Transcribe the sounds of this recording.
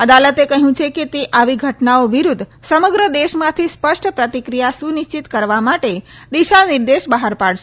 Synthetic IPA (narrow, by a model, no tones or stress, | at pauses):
əd̪alət̪ekəɦjũt͡ʃʰeket̪eʔaʋiɡʱəʈnaoʋiɾud̪ʱsəməɡɾəd̪eʃmãt̪ʰispəʃʈʰpɾət̪ikɾijasuniʃt͡ʃit̪kəɾʋamaʈe | d̪iʃanɪɾd̪eʃbəɦaɾpaɭʃe